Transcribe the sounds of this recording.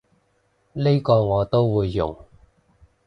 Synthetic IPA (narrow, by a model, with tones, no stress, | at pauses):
li˥jkɔː˧ŋɔː˨˧t̪o˥wwuː˨˧jːʊ̰˨˩ŋ